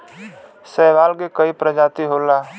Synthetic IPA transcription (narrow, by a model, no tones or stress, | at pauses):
sɛːʋaːlɡekəipɾəd͡ʒaːt̪iɦoːlaː